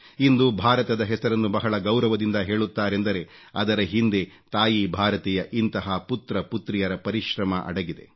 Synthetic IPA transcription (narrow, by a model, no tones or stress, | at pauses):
ind̪ubʱaːɾɐt̪ɐd̪ɐɦɛsɐɾɐnːubɐɦɐɭɐɡɐwɾɐʋɐd̪ind̪ɐɦe̞ːɭut̪ːaːɾe̞nd̪ɐɾe̞ɐd̪ɐɾɐɦind̪e̞ | t̪aːjibʱaːɾɐt̪ijɐʔint̪ɐɦɐput̪ɾɐput̪ɾijɐɾɐpɐɾiʃɾɐmɐʔɐ̰ɽɐɡid̪e̞̰